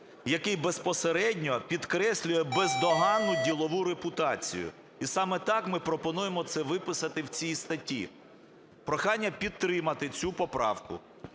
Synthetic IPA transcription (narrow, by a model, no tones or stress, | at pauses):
jɐkɪjbespɔseɾɛdʲnʲɔpʲid̪kɾɛsʲlʲʊjɛbezd̪ɔɦɑnːʊdʲilˠɔʋuɾepʊt̪ɑt͡sʲḭjʊ̰ | isɑmɛt̪ɑkmɪpɾɔpɔnujemɔt̪sɛʋɪpɪsɐt̪ɪwt͡sʲijst̪ɐtʲḭ | pɾɔxɑnʲːɐpʲid̪̚t̪ːɾɪmɐt̪ɪt͡sʲupɔpɾɑ̰wkʊ̰